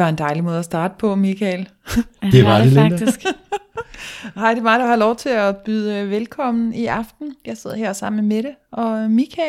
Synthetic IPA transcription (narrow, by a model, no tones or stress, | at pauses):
ʋɑ̈e̝nd̥ɑ̈ɪlimɔ̽ːð̞̩ˠɐsd̥ɑ̈ːd̥əpʰɒ̽mikʰɛl | d̥eʋɑdele̥sɡ̥ | hɑ̈ɪd̥e̝mɑ̈ːd̥uhɑ̈lɒʊt͡sʰe̝æb̥yð̰ˠəʋelkʰɒ̽m̰n̩iʔɑ̈fd̥n̩jɑ̈ɪse̝ð̰ˠheɐsɑ̈m̰n̩meɾ̥eʔɒ̽mikʰɛ